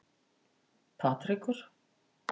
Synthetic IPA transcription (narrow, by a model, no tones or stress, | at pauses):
pʰaːt̪ɾikʏɾ̥